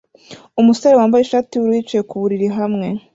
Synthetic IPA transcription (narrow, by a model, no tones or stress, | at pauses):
umusoɾewaːmbajeʃatiwuɾwiːt͡ʃeekuβuɾiɾiɦamŋe̞